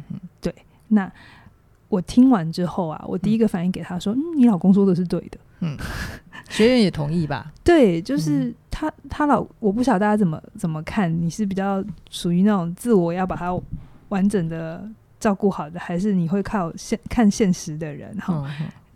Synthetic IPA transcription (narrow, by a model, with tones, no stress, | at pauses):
t̪we˥˩ɪ | na˥˩ | wɔ˨˩t̪ʰi˥ŋwa˧˥nʈ͡ʂɻ̩˥xo˥˩ʊa̰˩wɔ̰˨˩t̪i˥˩i˧˥ɡə˨fa˨˩ni˥˩ŋke˨˩ɪt̪ʰa˥ʂwɔ˥n̩˥ni˧˥lɑ˨˩ʊkʊ˥ŋs̬wɔ˥t̪o˧˥˧ʂ̬̩˥˧t̪we˥˩ɪd̪ə˩ | ɕɥɛ˧˥ɻə˦njɛ˨˩t̪ʰʊ˧˥ŋi˥˩ba̰˩t̪we˥˩ɪt͡ɕjo˥˧ʊʂɻ̩˥˩t̪ʰa˥t̪ʰa˥lɑ˨˩ʊwɔ˨˩p̬u˥ɕɑ˨˩˦t̪a˥˩t͡ɕja˥t͡sə˨˩nmə̰˦t͡sə˨˩nmə˦kʰa˥˩nni˨˩ʂɻ̩˥˩p̬i˨˩t͡ɕjɑ˥˩ʊʂu˨˩y˧˥na˥˩ʈ͡ʂʊ˨˩ŋt͡sɹ̩˥˩wɔ˨˩jɑ˥˩ʊpa˨˩t̪ʰa˥wa˧˥nʈ͡ʂə˨˩ŋd̪ə˦ | ʈ͡ʂɑ˥˧ʊku˥˩xɑ˨˩ʊd̪ə˦xa˧˥ɪʂ̬ɻ̩˥˩ni˨˩xwe˥˧ɪkʰɑ˥˩ʊɕɛ˥˧nkʰa˥˧nɕjɛ˥˩nʂɻ̩˧˦d̪ə˧ɻə̰˧˦nɑ˨˦˥